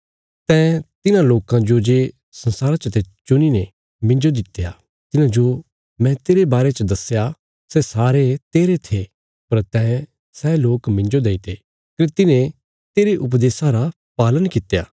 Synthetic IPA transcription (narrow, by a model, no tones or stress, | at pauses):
t̪ɛ̃ːt̪ɪnãloːkãd͡ʒod͡ʒeː | sɐ̃nsaːɾat͡ʃət̪et͡ʃʊnine | mɪ̃nd͡ʒod̪ɪt̪ːeja | t̪ɪnãd͡ʒo | mɛ̃t̪eːɾebaːɾet͡ʃəd̪ɐsja | sɛsaːɾet̪eːɾet̪ʰe | pɐɾt̪ɛ̃ː | sɛːloːkmɪ̃nd͡ʒod̪eːit̪ʰeː | kɾet̪ɪnẽ | t̪eːɾeʔʊp̬d̪eːsaɾa | paːlənkɪt̪ːeja̰ː